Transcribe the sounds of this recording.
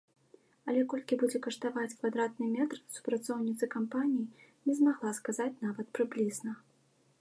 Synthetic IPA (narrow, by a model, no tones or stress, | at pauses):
ɐlʲɛkɔlʲkʲibud͡zʲɛkɐʂt̪avat͡sʲkvad̪ɾat̪̚nɨmʲɛt̪rsu̥pɾat̪sɔwnʲit̪sɨkampanʲijinʲɛzmaɣlˠaskazat͡sʲnavɐt̪̚pɾɨblʲiznɐ